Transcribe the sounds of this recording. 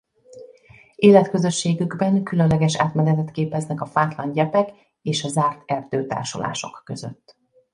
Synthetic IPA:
eːlɛt̪kø̞zø̞ʃːeːɡyɡbɛŋkylø̞nlɛɡɛʃa̰ːt̪mɛnɛt̪ɛt̪keːpɛznɛkɒfaːt̪lɒɲɟɛpɛk | eːʃɒzaːrt̪ɛrd̪øːt̪a̰ːrʃo̰lʔa̰ːʃo̞̰kːøzø̰t̪ː

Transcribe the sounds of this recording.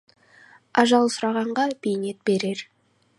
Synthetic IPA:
ɑʒɑlˠsʊɾɑʁɑɴʁɑbejne̞t̪̚be̞ɾe̞ɾ

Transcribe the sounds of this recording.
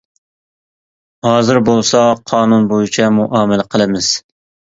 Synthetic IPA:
hɑːzɨɾbolˠsɑqʰɑːnunbojit͡ʃʰɛmuʔɑːmɪlɪqʰəlˠɨmɪz̥

